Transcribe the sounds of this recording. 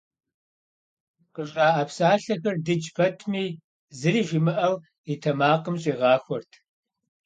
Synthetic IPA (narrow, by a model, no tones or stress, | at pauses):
qəɕʼɑːʔɐpsaːɬɐxɐrdɨd͡ʒpʰɐtʰmiː | zɨriːʒʷɪmɨʔɐw | itʰɐmaːqəmɕʼiːʁɑːxʷɔrtʰ